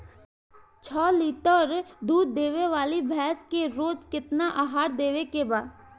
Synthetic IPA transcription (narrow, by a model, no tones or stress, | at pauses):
t͡ʃʰɔːliːʈəɾd̪uːd̪ːeːʋeʋaːlibʱɛːskeɾoːd͡ʒkɪt̪naʔaːɦaːɾd̪eːʋekebaːd̪